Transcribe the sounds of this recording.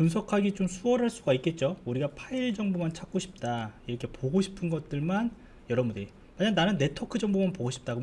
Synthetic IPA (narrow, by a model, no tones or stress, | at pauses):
puns̬ʰʌkʰaɡit͡ɕomsʰuʌɾɦaɭs͈uɡaik͈e̞t̚t͡ɕ͈ouɾiɡapʰaiɭd͡ʑʌŋbomant͡ɕʰak̚k͈oɕʰi̥p̚t͈aiɾʌkʰe̞poɡoɕʰi̥pʰɯnɡʌt̚t͈ɯɭman | jʌɾʌmude | maɲanːanɯnːe̞tʰʌkʰɯd͡ʑʌŋbomanpoɡoɕʰi̥p̚t͈aɡo